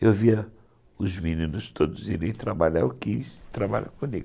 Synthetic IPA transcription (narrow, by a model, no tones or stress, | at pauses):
ewviɐ | ʊzminĩnʊʃt̪od̪ʊziɾẽj̃t̪ɾabaʎa̰ɾukiʃt̪ɾabaʎa̰kõmiɡʊ